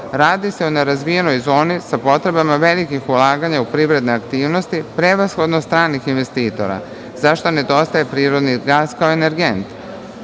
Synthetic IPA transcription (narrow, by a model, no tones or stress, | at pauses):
ɾaːd̪ise̞uneɾazʋije̞no̞jzo̞ːnisapo̞t̪ɾe̞bamaʋe̞likixulˠaːɡaɲaupɾiʋɾe̞d̪neakt̪iːʋno̞st̪ipɾeʋasxo̞d̪nost̪ɾaːnːixinʋe̞st̪iːt̪o̞̰ɾa̰ | zaʃt̪one̞d̪o̞st̪aje̞pɾiːɾo̞d̪niɡaːskaoeneɾɡe̞nt̪